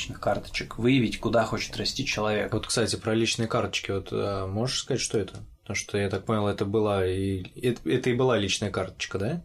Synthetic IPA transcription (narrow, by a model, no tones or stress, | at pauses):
t͡ɕnɨxkart̪ə̥t͡ɕɪ̥kvɨjɪvʲɪtʲkʊd̪axo̞t͡ɕɪ̥t̪rɐsʲtʲit͡ɕɪlˠɐvʲḛko̞t̪kst̪atʲɪpɾɐlʲit͡ɕnɨjəkart̪ə̥t͡ɕkʲɪvo̞t̪əmo̞ʐəʂskɐzatʲʂt̪o̞ɛt̪ʰəpət̪ɐmuʂt̪ojat̪ak̚ponʲɪlˠɛt̪əbɨlˠaiɛtɛt̪əɪbɨlˠalʲit͡ɕnəjəkart̪ə̥t͡ɕkəd̪a